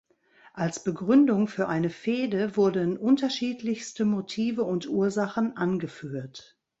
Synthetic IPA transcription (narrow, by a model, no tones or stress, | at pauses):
ʔalsb̥əɡʁʏndʊŋfyːɐʔaɪnəfeːdəvʊɐdənʔʊntɐʃiːtlɪçstəmotʰiːvəʊntʔuːɐzaχən̩ʔanɡəfyːɐt